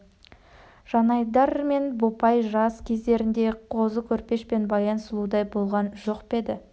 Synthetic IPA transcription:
ʒ̥ɑnɑjd̪ɑɾme̞nbopɑjʒɑskʲʰe̞zd̪e̞ɾɪnd̪e̞qʰo̞zəkʲʰɵɾpe̞ʃpe̞nbɑjɑnsəlˠud̪ɑjbo̞lˠʁɑnʒo̞qpe̞d̪ɪ

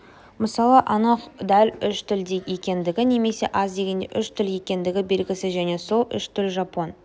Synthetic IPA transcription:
məsɑlˠəʔɑnɑqd̪ælʲʏʃt̪ʰʏld̪eje̞kʲe̞nd̪ɪɡʲɪne̞me̞se̞ʔɑzd̪e̞ɡʲe̞nd̪ḛʔʏʃt̪ʰʏlje̞kʲe̞nd̪ɪɡʲɪbe̞lɡʲɪsɪzʒæne̞so̞lˠʏ̰ʃt̪ʰʏlʒɑpo̞n

